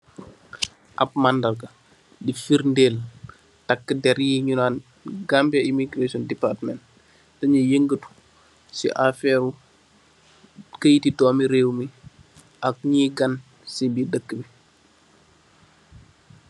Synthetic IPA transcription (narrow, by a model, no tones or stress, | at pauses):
ʔɐ̰p̚mandɐlkɐ | difiɾndeːl | takːədɛɾjiɲunaːn | ɡambɐimiɡɾesɔndipatmɛnt | tɐɲɐjəŋɡətu̥ | sḭʔafɛːɾu | kəjtitɔːmiɾeːwmi | ʔɐk̚ɲiːɡan | sibidəkːəbi